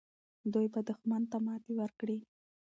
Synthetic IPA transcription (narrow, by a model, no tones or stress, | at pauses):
d̪ujbad̪ʊxmant̪amɑt̪ewəɾkɽi